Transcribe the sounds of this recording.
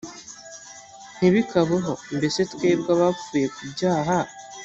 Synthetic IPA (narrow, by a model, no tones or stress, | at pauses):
n̥iβikaβeɦo̞mbe̞se̞tkwe̞ːbɡaβafuːje̞kubɟaːɦa